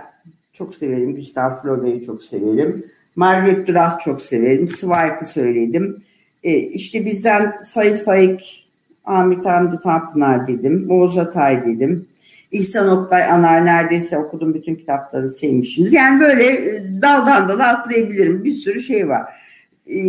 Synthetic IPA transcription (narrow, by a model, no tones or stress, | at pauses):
t͡ʃʰo̞kse̞ve̞ɾimɟyst̪ʰalflʲo̞d̪eɾit͡ʃʰo̞kse̞̰ve̞ɾimː | aɾɡɾɛt̪̚d̪uɾast̪t͡ʃʰo̞kse̞ve̞ɾimsɯvajkʰɯsø̞jlʲe̞d̪imː | iʃt̪ʰɛbizd̪ænsajɯt̪fajik | amit̪ʰamd̪it̪ʰampɯnaɾd̪e̞d̪imoːzat̪ʰajd̪e̞d̪im | ihsanoklˠajanaɾnæɾd̪e̞jsɛo̞kud̪umbyt̪ʰyncʰi̥t̪ʰaplˠaɾɯnsevmiʃimizjæːnibø̞jlʲɛd̪ad̪and̪ad̪aːt̪ʰːɯjabilʲiɾimbiɾsyɾuʃe̞jva̰ɾ̥